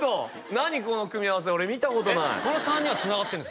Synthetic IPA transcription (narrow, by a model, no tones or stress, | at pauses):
o | naɲ̟iko̞no̞kɯ̟mʲiaβas̬eo̞ɾe̞mʲit̪ako̞t̪o̞naḭkonosãɲ̟ːiβat͡sɨnaɡat̪ːẽns